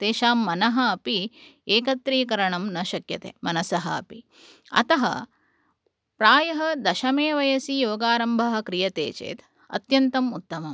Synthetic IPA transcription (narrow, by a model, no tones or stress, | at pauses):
t̪eːʃaːmːɐnɐɦɐːpieːkɐt̪ɾiːkɐɾɐɳɐmnɐʃɐkjɐt̪ḛːmɐnɐsɐɦɐɐ̰pi | ɐ̰t̪ɐɦɐ̰ | pɾaːjɐɦɐd̪ɐʃɐmeːʋɐjɐsijoːɡaːɾɐmbʱɐɦɐ̆kɾijɐt̪ḛːt͡ʃḛːt̪ | ɐ̰t̪jɐnt̪ɐmut̪ːɐmɐm